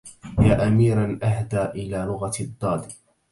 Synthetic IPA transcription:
jaːʔamiːɾanʔaɦd̪aːʔɪlaːlʊɣad̪ˤːɑːd̪

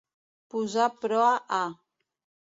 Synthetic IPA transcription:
puzapɾɔaʔa

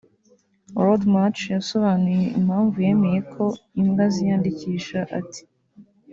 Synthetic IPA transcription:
ɾodmat͡ʃjaso̞βanuje̞ʔim̥haːɱvuje̞me̞je̞kʰo̞imɡazijaːndiciːʃaʔa̰tʰi̥

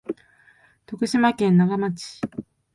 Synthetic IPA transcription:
t̪o̞kɯ̟ɕimakẽ̞nːaɡamat͡ɕi̥

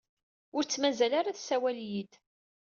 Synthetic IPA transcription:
ʊɾt͡sːmæzælaɾaθsæwæljid̪

